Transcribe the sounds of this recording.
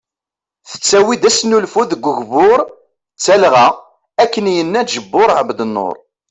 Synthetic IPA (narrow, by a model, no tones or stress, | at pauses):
θə̥t͡sːæwid̪æsnulfuðəɡʷːəʝvʊɾˤ | t͡sːælʁæ | ækːənjənːæʒəbːʊɾˤʕəbd̪ənːo̰ɾˤ